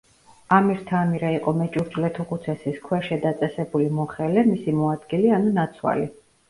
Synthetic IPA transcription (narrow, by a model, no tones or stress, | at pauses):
amiɾt̪ʰaːmiɾaiqʼɔmɛt͡ʃʼuɾd͡ʒlɛt̪ʰuqut̪sʰɛsiskʰwɛʃɛd̪at̪sʼɛsɛbulimɔχɛlɛmisimɔad̪ɡilianunat̪sʰwa̰li